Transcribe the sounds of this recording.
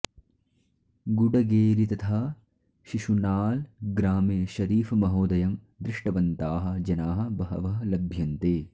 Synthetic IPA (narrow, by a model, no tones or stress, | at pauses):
ɡuɖɐɡeːɾit̪ɐt̪ʰaː | ʃiʃunaːlɡɾaːmeːʃɐɾiːfɐmɐɦoːd̪ɐjɐm | d̪ɾɪʂʈɐʋɐnt̪aːɦɐ̆d͡ʒɐnaːɦɐ̆bɐɦɐ̰ʋɐɦɐlɐbʱjɐnt̪eː